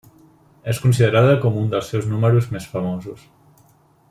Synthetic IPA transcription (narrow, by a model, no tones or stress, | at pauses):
eskuns̬iðəɾaðəkomund̪əlˠsːɛwznuməɾuzmesfəmozus